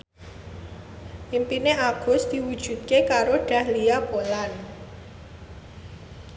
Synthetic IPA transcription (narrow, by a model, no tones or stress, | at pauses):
ʔimpineʔaɡ̥ʊ̤sd̪̥i̤wud̥ʒ̥ṳt̪̚kekaɾoɖ̥a̤hlijapolan